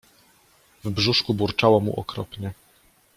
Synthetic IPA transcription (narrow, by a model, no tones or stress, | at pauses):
vbʐuʂkubuɾt͡ʂawɔmṵʔɔkɾɔpɲɛ